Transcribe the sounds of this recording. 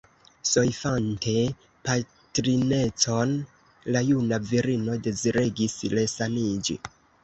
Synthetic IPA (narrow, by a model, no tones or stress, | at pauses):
so̞jfante̞ | pa | tɾine̞t͡so̞n | lajunaviɾino̞de̞ziɾeɡisle̞sanid͡ʒḭ